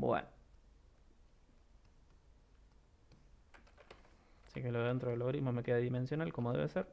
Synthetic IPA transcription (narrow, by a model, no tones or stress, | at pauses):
bwḛno | sikeloent̪ɾoðeloɣɾizmomekeðaðimẽnsjo̞nalko̞moðe̞βeseɾ